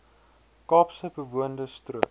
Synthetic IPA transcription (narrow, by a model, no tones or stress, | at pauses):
kɑːpsəbəvuəndəstruə